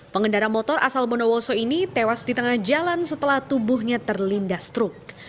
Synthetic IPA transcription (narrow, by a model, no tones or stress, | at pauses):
pəŋəndaɾamɔt̪ɔrʔa̰salmɔnowɔsɔinit̪ewasdit̪əŋahd͡ʒalansət̪əlaht̪ubuɦɲat̪ərlindast̪ɾʊk̚